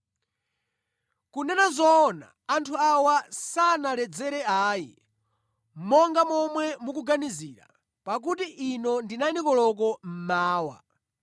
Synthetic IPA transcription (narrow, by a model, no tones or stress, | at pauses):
kunɛnazɔːna̰ːntʰuawasanalɛd͡zɛɾɛaːjḭ | mɔŋɡamɔmwɛmukuɡaniziɾa̰ | pak̬utiʔinɔndinanikɔlɔk̬ɔm̩maːwa̰